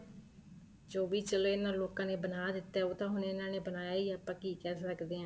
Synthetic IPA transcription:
d͡ʒoːʋiːt͡ʃəleːɪnãːloːkãːneːbənaːd̪ɪt̪ːɛːoːt̪ãːɦʊneɪnãːneːbənaːjaːiːaːpãːkiːkɛːsəkd̪eːãː

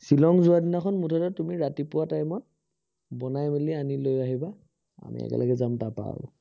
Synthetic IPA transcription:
silɔŋzʊadinakʰɔnmutʰɔtɔtumiɹatipʊwatajmɔt̚ | bɔnajmelianilojaɦiba | a̰mḭɛ̰kɛ̰lʔa̰ɡɛzamtapa̰bʊ̰

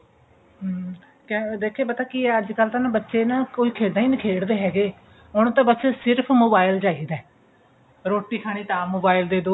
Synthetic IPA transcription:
kẽd̪eːkʰːeːpət̪aːkiːəd͡ʒkəlt̪ãːñːbətːʃeːnãkoːiːkʰeːd̪aːiːnəkʰeːɽd̪eːɦɛːɡeː | ʊñːt̪ãːbətːt͡ʃesɪɾpʰmoːbaːɪld͡ʒaːiːd̪ɛː | ɾoːʈːiːkʰaːɽ̃iːt̪aːmoːbaːɪld̪eːd̪oː

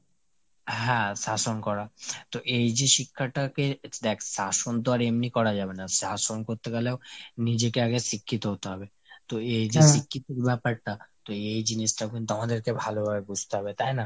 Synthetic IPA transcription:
ɦɛ̃sasonkɔɾat̪oʔeid͡ʒeʃikʰːaʈaked̪ɛksasond̪oaɾemnikɔɾad͡ʒaːbenasasonkoɾt̪ekaleonid͡ʒekeaɡesikʰːit̪oɦot̪oɦɔbe | t̪oeid͡ʒeʃikʰːit̪okbɛpəɾt̪at̪oeid͡ʒinisʈaɡunt̪ɔmad̪eɾkebʱalobaɡeɡud͡ʒʱt̪oɦɔbet̪aina

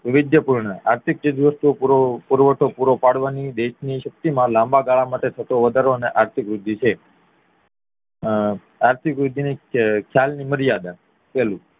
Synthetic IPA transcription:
ʋɪʋɪd̪jəpuɾɳəa̰ɾt̪ʰik̚t͡ʃəd͡ʒ̪iʋəst̪uopuɾopuɾʋəʈʰopuɾopaɽʋanid̪eʃniʃək̚t̪imãlãmbaɡaɭamaʈet̪ʰət̪oʋəd̪ʱaɾoəneʔaɾt̪ʰikɾud̪ʱːit͡ʃʰe | aɾt̪ʰikɾud̪ʱinikʰjalniməɾijad̪a | pɛlũ

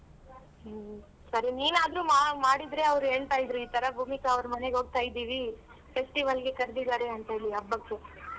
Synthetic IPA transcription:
sɐɾiniːnaːd̪ɾuːmamaːɽid̪ɾe̞ɐʋɾuɦe̞ːɭt̪aːjid̪ɾuiːt̪ɐɾɐbʱuːmikaɐʋɐɾɐmɐne̞ɡoːɡ̚t̪aːjid̪iːʋi | pʰe̞sʈiʋɐlɡe̞kɐɾd̪id̪aːɾeɐnt̪ɦeːɭiɐbːɐɡe

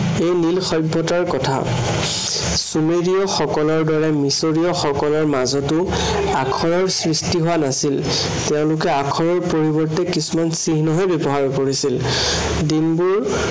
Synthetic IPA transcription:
ejnilxɔjbʱːɔtaɹkɔtʰa̰ | sumeɹiɔxɔkɔlɔɹdɔɹɛmisoɹiɔxɔkɔlɔɹmazɔtʊ | akʰɔɹɔɹsɹistiɦowanasil | tɛʊ̃lʊkɛakʰɔɹɔɹpoɹibɔɹtɛkisumansiɦnɔɦɔjbebɔɦaɹkoɹisil | dinbuɹ

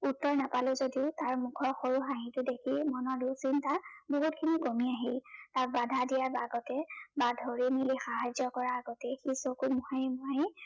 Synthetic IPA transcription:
utːɔɹnapalʊzodiʊtaɹmukʰɔxoɹuxaɦĩtʊdekʰimɔnɔdusintaboɦut̚kʰiniɡomiaɦiltaɹ̚badʱadijaɹbaɡɔtɛbadʱoɹinilixaɦazɔkɔɹaːɡɔtɛxisokumɔhajmɔɦaj

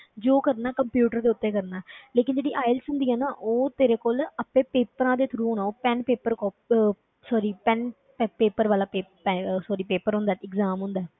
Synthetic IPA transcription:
d͡ʒoːkəɾnaːkəmpjuːʈəɾd̪eːʊt̪ːẽːkəɾnaːleːkɪnd͡ʒeːɽiːʔaːɪlsɦʊ̃nd̪iːɛːnaːʔoːt̪eːɾeːkoːləpẽːpeːpəɾãːd̪eːt̪ʰɾũːɦoːnãːoːpɛnpeːpəɾkɔːp̚ | sɔːɾiːpɛn | pːpeːpəɾʋaːlaːpeːpɛsɔːɾiːpeːpəɾɦõnd̪ɛːɪɡzaːmɦʊ̃nd̪ɛː

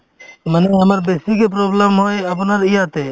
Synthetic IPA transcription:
məneɦəməɾbesikep̬ɾobləmɦojəp̬nəɾijat̪e

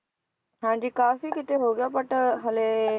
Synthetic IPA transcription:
ɦãːɲd͡ʒiːkaːfiːkɪt̪eɦoːɡɪjaːpəʈɦəleː

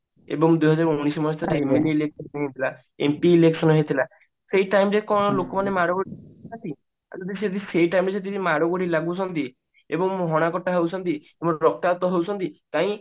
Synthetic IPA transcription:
ḛbɔŋd̪ujɦɔd͡ʑaɾunisɔmɔst̪ʰat̪eemeliːleksɔnɦet̪ʰila | ḛmpiːleksɔnɦet̪ʰila | sejʈajmɾekɔñɔlokɔmanemaɽoɡoɽinat̪i | a̰d͡ʒɔd̪iset̪iseʈajmɾes̬et̪imaɽoɡoɽilaɡbut͡ʃʰɔnt̪i | ebɔŋɦɔɽ̃akɔʈːaɦewt͡ʃʰɔnt̪iebɔŋɾɔk̚t̪at̪ɔɦewt͡ʃʰɔnt̪it̪aĩ

